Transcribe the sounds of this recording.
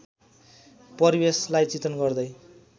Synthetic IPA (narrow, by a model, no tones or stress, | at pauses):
pʌrbeslajt͡sit̪ʌnɡʌrd̪ʌj